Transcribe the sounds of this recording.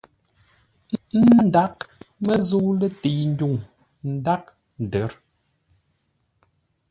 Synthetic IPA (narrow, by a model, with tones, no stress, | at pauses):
n̩˦da˦k̚mə˦zu˦lə˦ti˨ŋ̩˦ɟu˨ŋ | n̩˨˦da˦k̚ | n˨də˨˦ɾ